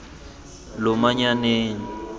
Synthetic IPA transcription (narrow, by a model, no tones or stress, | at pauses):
lʊmaɲaneːŋ̩